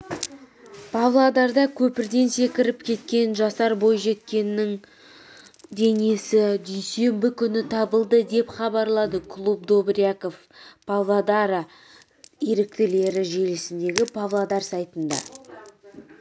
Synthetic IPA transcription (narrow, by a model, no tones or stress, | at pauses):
pʰavlˠad̪ɑɾd̪ɑkʲʰɵpɪɾd̪e̞nse̞kʲɪɾɪpkʲʰe̞t̪kʲe̞nʒɑsɑɾbo̞jʒe̞t̪kʲe̞nːɪŋ | d̪e̞ne̞sɪd̪ʏjse̞mbɪkʲʰʏnɪt̪ʰɑbəlˠd̪əd̪e̞pχɑbɑɾlˠɑd̪əkʰlˠupd̪o̞bɾiako̞fpʰavlˠad̪ɑɾɑ | eɾɪk̚t̪ɪle̞ɾɪʒe̞lɪsɪnd̪e̞ɡʲɪpʰavlˠad̪ɑɾsɑjt̪ənd̪ɑ̰